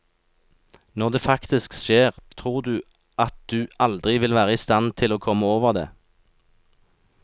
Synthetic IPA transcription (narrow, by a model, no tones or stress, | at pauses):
nɔʁd̪eːfɑkt̪ɪskʃeːʁt̪ʰʁuːʁd̪ʉː | ʔɑt̪̚d̪ʉːʔɑld̪ʁɪʋɪlʋæːʁəist̪ɑnt̪ʰɪloːkʰɔmːəoːʋəʁd̪ḛː